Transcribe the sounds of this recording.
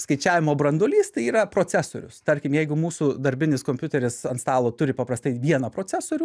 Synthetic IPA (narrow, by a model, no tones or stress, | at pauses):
skɐɪt͡ʃʲæːʋʲɪmoːbɾɐnd̪oːlʲiːst̪ɐɪiːɾɐpɾoːt͡sʲæso̰ːɾʲʊst̪ɐɾʲkʲɪmjɛɪɡʊmuːsuːd̪ɐɾʲbʲɪnʲɪskoːmpʲjʊtʲɛɾʲɪsɐnst̪ɑːlˠoːt̪ʊɾʲɪpɐpɾɐst̪ɐɪʋʲiɛnɐpɾoːt͡sʲæsoːɾʲuː